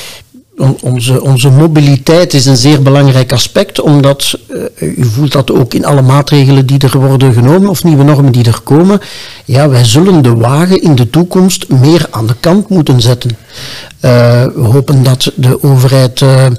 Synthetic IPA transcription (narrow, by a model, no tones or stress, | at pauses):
ɔnzəʔɔnzəmobilitɛjtɪsənzeːrbəlɑŋrɛjkɑspɛktɔmdɑt | yvuːlˠtdɑtoːkɪnɑ̰ləmaːtreːɣələndidərʋɔrdənɣənoːmənɔfniʋənɔrməndidərkoːmənjaːʋɛjzɵləndəʋaːɣənɪndətukɔmstmeːraːndəkɑntmutənzɛtən | ʋəɦoːpəndɑtdəʔoːvərɦɛjt